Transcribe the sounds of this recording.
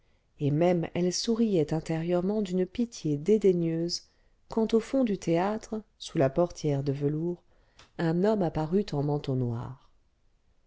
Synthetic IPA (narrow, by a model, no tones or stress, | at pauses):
emɛmɛlsuʁijɛt̪ɛ̃t̪eʁjœʁmɑ̃d̪ynpit̪jed̪ed̪eɲjøz | kɑ̃t̪ofɔ̃d̪yt̪eat̪χsulapɔʁt̪jɛʁd̪əvəluʁ | ɛ̃nɔmapaʁyt̪ɑ̃mɑ̃t̪õnwa̰ːʁ